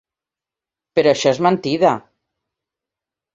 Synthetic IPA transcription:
peɾoaʃɔezmant̪iða

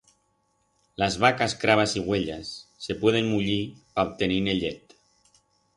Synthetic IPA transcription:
lazβ̞akaskɾaβ̞asiɣweʎasːepweð̞enmuʎi | aop̚t̪enineʎet̪

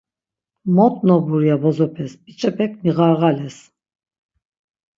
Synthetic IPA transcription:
mɔt̪ʼnɔbuɾijabɔzɔpʰɛsbit͡ʃʼɛpʰɛkʰmiʁaɾɣalɛs

